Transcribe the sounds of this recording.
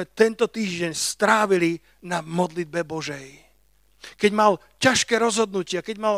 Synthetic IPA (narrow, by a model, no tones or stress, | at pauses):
ɛt̪ɛnt̪ɔt̪iːʒɟɛɲst̪ɾaːʋili | namɔd̪lid̪̚bɛbɔʒɛj | kɛɟmal | caʃkɛːɾɔzɦɔd̪nucɪakɛɟmal